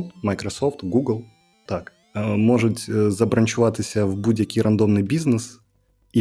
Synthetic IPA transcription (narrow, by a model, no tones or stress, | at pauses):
məkɾɐso̞ft̪ɡuɡlˠ | t̪ak | mo̞ʐɨt̪ʲəzɐbɾɐnʲt͡ɕʊvat̪ɨsʲəvbudʲəkʲiɾʔɐnd̪o̞mnɨjbʲiznɨs | i